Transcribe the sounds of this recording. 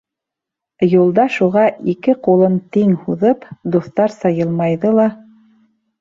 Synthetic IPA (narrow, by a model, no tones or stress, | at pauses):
julˠd̪ɑʃuʁɑʔikɘqulˠɤnt̪iŋhuðɤpd̪uθt̪ɑɾsɑjɤlˠmɑjðɤlˠɑ